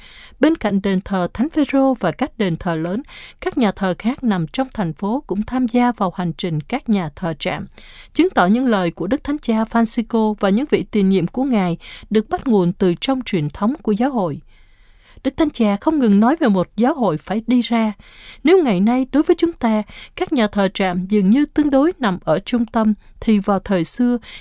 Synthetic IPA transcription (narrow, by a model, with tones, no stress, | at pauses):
ɓe˧nka̰˧˨jŋ̟ɗe˨˩nt̪ʰəː˨˩t̪ʰa˨˦jŋ̟fe˧zo˧vaː˨˩ka˦˥k̟̚ɗe˨˩nt̪ʰəː˨˩ləː˨˦nkaː˦˥k̚ɲaː˨˩t̪ʰəː˨˩xaː˦˥k̚na˨˩mt͡ɕɔ˧wŋ͡mt̪ʰa˨˩jŋ̟fo˨˦kʊ̰˧˥ŋ͡mt̪ʰaː˧mzaː˧vaː˨˩wha˨˩jŋ̟t͡ɕï˨˩ŋ̟kaː˦˥k̚ɲaː˨˩t̪ʰəː˨˩t͡ɕa̰ː˧˨mt͡ɕɨ˨˦ŋt̪ɔ˧˩ɲɨ̰˧˥ŋləː˨˩jku˧˩əɗɨ˦˥k̚t̪ʰŋt͡ɕaː˧faː˧nsi˧ko˧vaː˨˩ɲɨ̰˧˥ŋvḭ˧˨t̪i˨˩nɲḭ˧˨əmku˧˩əŋaː˨˩jɗɨ˨˩ək̚ɓa˦˥t̚ŋu˨˩ənt̪ɨ˨˩t͡ɕɔ˧wŋ͡mt͡ɕwi˨˩ənt̪ʰə˨˦wŋ͡mku˧˩əzaː˨˦wɦo̰˧˨j | ɗɨ˦˥k̚t̪ʰa˨˦ŋt͡ɕaː˧˩xə˧wŋ͡mŋɨ˨˩ŋnɔ˨˦jve˨˩mo˨˩t̚zaː˨˦wɦo̰˧˨jfaː˧˩jɗi˧zaː˧ne˨˦wŋa˨˩jna˧jɗo˨˦jvəː˨˦jt͡ɕʊ˨˦ŋ͡mt̪aː˧kaː˦˥k̚ɲaː˨˩t̪ʰəː˨˩t͡ɕa̰ː˧˨mzɨ˨˩ŋɲɨ˧t̪ɨ˧əŋɗo˨˦jna˨˩mʔəː˧˩t͡ɕʊ˧ŋ͡mt̪ə˧mt̪ʰi˨˩vaː˨˩wt̪ʰəː˨˩jsɨ˧ə